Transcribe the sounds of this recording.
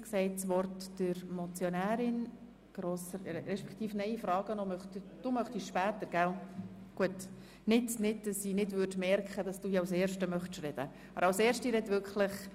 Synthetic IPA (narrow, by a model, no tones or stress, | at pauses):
ksɛɪtsʋɔrtd̥ɪɾmɔt͡sjɔnæːɾɪn | ɡ̥ɾosəɾɾɛʃpɛ̥kt̪iːfnɛɪifɾɑːɡ̥ənɔmœχtd̥umœχtiʃʃpæːt̪əɾɡ̥æl | ɡ̥uət | nɪtnɪdd̥ɑsinɪdvʏrdmɛɾkχəd̥ɑsd̥uːiawseːɾʃtəmœχtʃrɛd̥ə̰ | ɑbəɾɑwseːɾʃtiɾɛdvʏɾkχləχ